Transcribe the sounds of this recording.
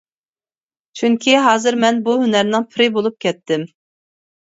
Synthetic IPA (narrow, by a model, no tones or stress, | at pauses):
t͡ʃʰyŋkʲʰiɦɑːzɨɾmɛnbuɦynæɾnɪŋpʰɪɾɪbolˠup̚kʲʰɛt̪ʰːɪm